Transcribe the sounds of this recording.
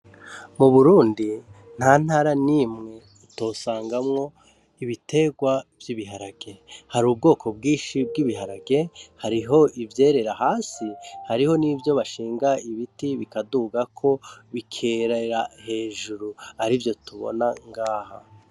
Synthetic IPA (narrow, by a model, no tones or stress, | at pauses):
muβuɾuːndi | n̥haːn̥aːɾaniːmŋe̞ | ito̞ːsaːŋɡamŋo̞ | iβitʰe̞ɡwavjiβiɦaɾaɡe̞haɾuːb̚ɡo̞ːkʰo̞b̚ɡiːʃib̚ɡiβiɦaɾaɡe̞haɾiɦo̞ʔivje̞ːɾe̞ɾahaːsihaɾiho̞nivjo̞βaʃiːŋɡaiβitiβikaduːɡakʰo̞βikʰeɾaɾahe̞ːʒuɾuaɾivjo̞tuβo̰naŋɡaːha